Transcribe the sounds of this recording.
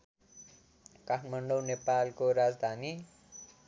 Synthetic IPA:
kaʈʰmʌɳɖownepalkoɾad͡zd̪ʱani

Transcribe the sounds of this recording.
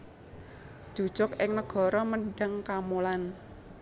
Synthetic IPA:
ʒ̥u̥ʒ̥ɔkʔɪŋnəɡ̥ɔ̤ɾɔməɖaŋkamolan

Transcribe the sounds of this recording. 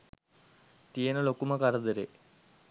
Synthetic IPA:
t̪iɐnɐlokːumɐkɐrɐd̪ɐɾe

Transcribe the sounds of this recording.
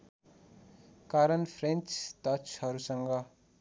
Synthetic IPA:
kaɾʌnpʰrent͡ʃt̪ʌt͡ʃʰɦʌɾusʌŋɡʌ

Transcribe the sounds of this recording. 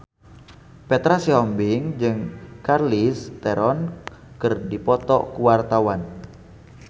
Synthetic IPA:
pɛt̪ɾasiɔmbɪŋd͡ʒɨŋkarlist̪ɛɾɔn | kərdipɔt̪ɔ̰kuwart̪awan

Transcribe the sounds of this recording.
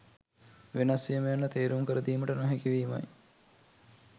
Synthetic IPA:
ʋenasijəmejanːət̪eːɾuŋkəɾəd̪iːməʈənoɦɛkiʋiːma̰j

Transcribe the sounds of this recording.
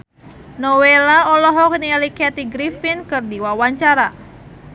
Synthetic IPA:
nɔwelaɔlɔɦɔk̚nialikɛt̪iɡɾifinkɨrdiwawaɲt͡ʃaɾa

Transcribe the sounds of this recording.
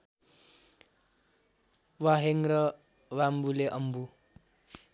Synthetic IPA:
waɦeŋrʌ | wambuleʔʌmbu

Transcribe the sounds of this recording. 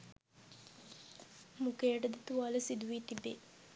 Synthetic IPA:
mukeːəʈəd̪ət̪uʋaləsid̪uʋit̪ibe

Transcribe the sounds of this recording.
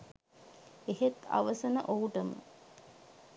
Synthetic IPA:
eɦet̪a̰ʋəsənəʔouʈəmə̰

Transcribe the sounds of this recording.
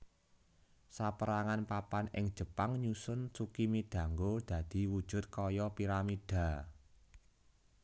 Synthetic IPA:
sapəɾaŋanpapanɪ̰ŋd̥ʒ̥ə̤paŋɲusʊnt͡ʃukimid̪̥a̤ŋɡod̪̥ä̤d̪̥i̤wud̥ʒ̥ʊ̤t̪̚kɔjɔpiɾamid̥a̤

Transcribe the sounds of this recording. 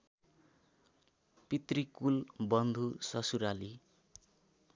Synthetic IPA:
pit̪rikulbʌnd̪ʱusʌsuɾali

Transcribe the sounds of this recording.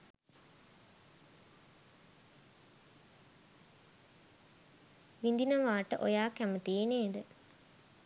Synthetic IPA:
ʋind̪inɐʋaːʈəʔo̰jaːkæmət̪iːneːd̪ə

